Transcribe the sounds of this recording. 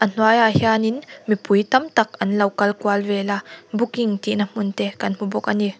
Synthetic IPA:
ʔɐn̥uajahjaːninmipujt̪ɐmt̪ɐk̚ɐnlɐwkɐlkualvɛlabukiŋt̪iʔnam̥ʊnt̪ɛkɐnm̥ubɔk̚ʔani

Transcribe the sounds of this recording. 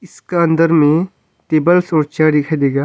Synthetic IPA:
ɪskaɐ̃nd̪əɾmẽ | ʈeːbəlsɔːɾt͡ʃaːɖ̪ɪkʰaid̪eːɡaː

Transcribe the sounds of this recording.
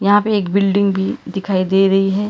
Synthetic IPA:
jɐɦãpeeːkbɪlɖɪ̃ŋɡbʱid̪ɪkʰaːid̪eːɾɐɦiɦɛː

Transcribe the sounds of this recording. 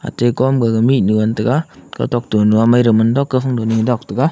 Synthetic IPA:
a̰tekɔmɡaɡaminuɔntɯkaka̰tɔk̚tunuamajɾɯmɯndɔkːəfaŋdoniŋdɔk̚tɯka

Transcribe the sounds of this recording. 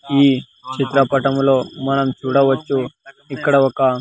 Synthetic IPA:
iː | t͡ʃit̪ɾɐpɐʈɐmloːmɐnɐmt͡ʃuɽɐʋɐt͡ʃːu | ikːɐɽɐʋɔka

